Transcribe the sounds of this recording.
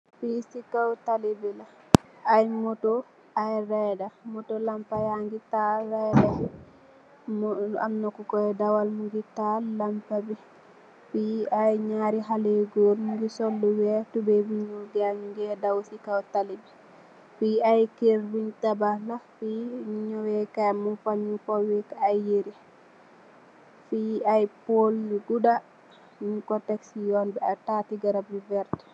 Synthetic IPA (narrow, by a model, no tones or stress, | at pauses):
fisikawtalibɛlaː | jmɔtɔ | ajɾɛdamɔtɔlampajaŋɡitaɾɛda | ma̰mnɔkɔkɔɛdawalmuŋɡitalampabi | fiajɲaːɾiɦalɛɡoɾmuŋɡisɔlːuwɛtubɛwiɲuɡɛaɲuŋɡɛdawsikawtalib | fiajkeɾwiɲtabalafiɲɔwɛkamufaɲufɔwikaajːeɾi | fiajpolɡuda | miɲkɔtɛksijɔnbɛatatiɡaɾabivɛɾtɛ̥